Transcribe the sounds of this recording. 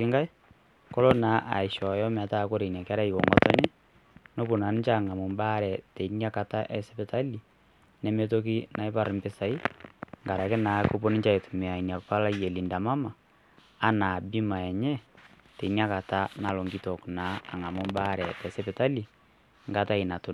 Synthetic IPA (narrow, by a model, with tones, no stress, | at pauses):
ɪ˦ŋɡa˦j | kɔ˦lo˦na˨˦ʔa˨ɪ˨ʃɔ˨jɔ˦m˨a˨˦ta˦˨ko˦ɾe˨nja˨ka˦ɾa˦i˨ko̰˨ŋɡɔ̰˦tɔ˦ɲe˦ | no˦bu˨na˨nɪ˦t͡ʃa˦˨ŋa˨mo˨mba˦ɾɛ˨tɛ˨i˦nja˦ka˨ta˦ʔɛ˨sɛ˦pɛ˨ta˦li˨ | nɛ˦me˦to˦k̬i˦na˨ɪ˦pa˦˨ɾɪ˨mbɪ˦sa˨i˦ŋɡa˨ɾa˨ke˦na˨˦ko˦po˦ni˦t͡ʃa˦e˨tu˨me˨a˨i˨nja˨kpa˦la˦je˨li˨nda˨ma˦maː˨˦ | na˨bi˦ma˨ɛ˨ɲɛ˦ | tɛ˨i˨ni˦a˦ka˨ta˦na˨lo˨ŋɡi˦tɔ˨kna˨˦a˨ŋa˨mo˦mba˦ɾɛ˨tɛ˨se˦pe˨ta˦li˨ | ŋɡa˦ta˦i˨na˨to˦n